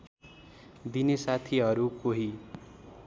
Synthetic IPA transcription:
d̪inesat̪ʰiɦʌɾukoɦi

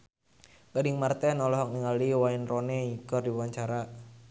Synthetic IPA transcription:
ɡ̥adiŋmart̪ɛnɔlɔɦɔk̚niŋaliwainrɔnɛikɔrdiwaɲt͡ʃaɾa

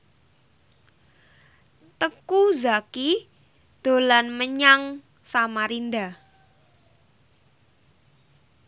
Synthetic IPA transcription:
t̪əkuzaki | d̪̥o̤lanməɲaŋ | samaɾinda

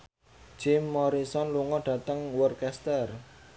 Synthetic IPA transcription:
d͡ʒ̥ɪmːɔɾisɔnluŋɔɖ̥ä̤t̪əŋwərkɛst̪ər

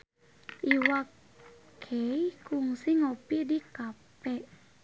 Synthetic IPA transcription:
ʔiwak | kʰɛjkuŋsiŋopidikapɛ

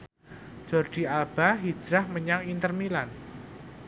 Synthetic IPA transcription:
d͡ʒ̥ɔrd̥i̤alb̥aɦi̥d͡ʒ̥ɾahməɲaŋint̪ərmilan

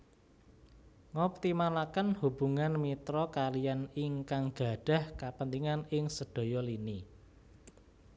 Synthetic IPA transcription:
ŋɔp̚t̪imalakənhub̥ṳŋanmit̪ɾɔkalijanɪŋkaŋɡ̥a̤ɖ̥a̤hkapənt̪iŋanɪŋsəd̥o̤jɔlini

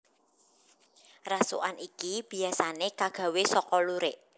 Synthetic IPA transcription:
rasṵʔanikib̥i̤asanekaɡ̥a̤wesɔkɔluɾeʔ

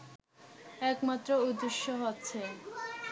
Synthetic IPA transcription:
ɛkmat̪ːɾoud̪ːeʃːoɦotːɕʰe

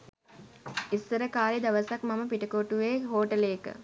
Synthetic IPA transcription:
isːəɾəkaːlid̪ɐʋəsakmɐməpiʈəkoʈuʋeːɦoːʈəleːkə̰

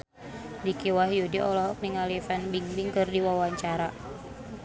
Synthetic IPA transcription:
dikiwahjudiʔɔlɔɦɔk̚niŋalifanbiŋbiŋkɨrdiwawaɲt͡ʃaɾa

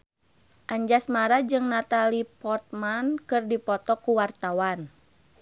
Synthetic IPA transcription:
ʔaɲd͡ʒasmaɾad͡ʒɨŋnat̪alipɔrt̪̚mankɨrdipɔt̪ɔkuwart̪awan

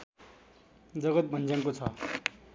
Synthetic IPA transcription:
d͡zʌɡʌt̪̚bʱʌnd͡zaŋkot͡sʰʌ

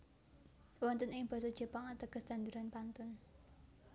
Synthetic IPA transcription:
wɔnt̪ənɪŋb̥ɔ̤sɔd̥d͡ʒ̥ə̤paŋat̪əɡ̥əst̪and̪uɾanpant̪ʊn

